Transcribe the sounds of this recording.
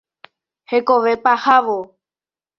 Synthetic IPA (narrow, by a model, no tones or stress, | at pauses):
hekoʋepahaʋo